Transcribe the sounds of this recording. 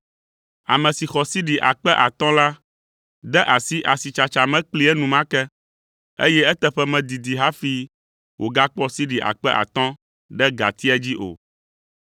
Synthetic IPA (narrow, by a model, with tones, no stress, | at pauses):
a̰˨mɛ̃˨si˨xɔ˨si˦ɖi˨ʔa˨k͡pɛ˦ʔa˨t̪ɔ̃˦la˦ | d̪ɛ˦ʔa˨si˦ʔa˨si˨t͡ʃa˨t͡ʃa˨mɛ̃˦k͡pli˦ɛ˦nũ˨mã˦kɛ˦ | ḛ˦jɛ˦ɛ˦t̪ɛ˦ɸɛ˦mɛ̃˨d̪i˨d̪i˨ɦa˦fi˦ | wʔo˨ɡa˦k͡pɔ˦si˦ɖi˨ʔa̰˨k͡pɛ˦ʔa̰˨t̪ɔ̃˦ | ɖɛ˦ɡa̰˨t̪i˦ɛ˦d͡ʑi˦ʔo̰˨